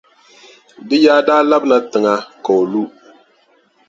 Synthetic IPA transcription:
dɨ˦jaː˦daː˦la˦bna˦tɨ˨ŋa˦ko˨o˨lu˦

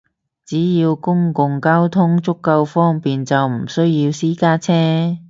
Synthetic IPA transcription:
t͡siː˨˥jiː˧wkʊ˥ŋkʊ˨ŋkaː˥wt̪ʰʊ˥ŋt͡sʊ˥kːɐ˧wfɔː˥ŋpiː˨nt͡sɐ˨wm̩˨˩sɵ˥ɥjiː˧wsiː˥kaː˥t͡sʰɛː˥

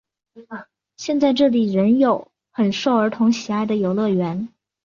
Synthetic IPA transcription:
ɕjɛ˥˧nt͡sa˥˧ɪʈ͡ʂɤ˥˩li˨˩ɻə˧˥njo˨˩˦ʊ | xə˨˩nʂo˥˩ʊə˞˧˥t̪ʰʊ˧˥ŋɕi˨˩a˥˩ɪd̪ə˩jo˨˩ʊlɤ˥˩ɥɛ˧˥n

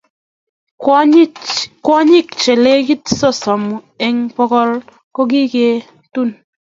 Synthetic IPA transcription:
kwɔ˦ɲi˦˨k̚t͡ʃe˨le˦ki˦tsɔ˦˨sɔ˨mu˨ | e˦ŋpɔ˦kɔ˦l | kɔ˦k̬i˦ke˦ | tu˦˨n

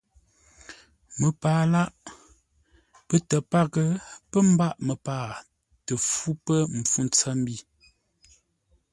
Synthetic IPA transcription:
mə˨paː˨˦la˦ʔ | pə˦tə˨pa˦ɡə˨pə˦m˦ba˦˨ʔmə˨paː˨ | tə˨fu˦pə˦m̩˨fu˦n˨t͡sə˦m̩˦bi˦˨

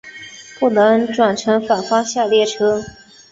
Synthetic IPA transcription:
pu˥˩nɤ˧˥ŋʈ͡ʂwa˨˩nʈ͡ʂʰɤ˧˥ŋfa˨˩nfɑ˥ŋɕja˥˧ljɛ˥˩ʈ͡ʂʰɤ˥

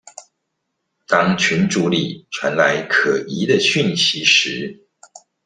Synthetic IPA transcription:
t̪ɑ˥ŋt͡ɕʰy˧˥nʈ͡ʂu˨˧˥lḭ˨˩ʈ͡ʂʰwa˧˦nla˧˦ɪkʰɤ˨˩i˧˥˦d̪ə˨ɕy˥˨nɕi˧˥˦ʂɻ̩˧˦

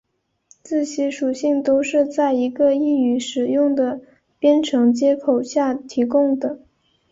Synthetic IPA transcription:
t͡sɹ̩˥˩ɕi˧˥ʂu˨˩ɕi˥˩ŋt̪o˥ʊʂɻ̩˥˧t͡sa˥˩ɪi˧˥ɡə˧i˥˩y˧˥ʂɻ̩˨˩jʊ˥˩ŋd̪ə˩ | pjɛ˥nʈ͡ʂʰɤ˧˥ŋt͡ɕjɛ˥kʰo˨˩ʊɕja˥˩t̪ʰi˧˥kʊ˥ŋd̪ə˩

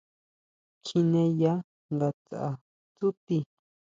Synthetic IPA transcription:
kʰi˧nẽ˧ja˦ | nɡ̪a˧t͡sa˨ʔa˧˨ | t͡su˦t̪i˧

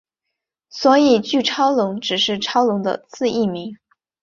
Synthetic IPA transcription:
swɔ˧˥i˨˩t͡ɕy˥˩ʈ͡ʂʰɑ˥ʊlʊ˧˥ŋʈ͡ʂɻ̩˨˩ʂɻ̩˥˩ʈ͡ʂʰɑ˥ʊlʊ˧˥ŋd̪ə̰˧t͡sʰɹ̩˥˧i˥˩mi˧˥ŋ

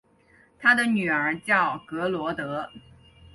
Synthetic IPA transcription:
t̪ʰa˥d̪ə˨ny˨˩ə˞˧˥t͡ɕjɑ˥˩ʊkɤ˧˥lwɔ˧˥t̪ɤ˧˥

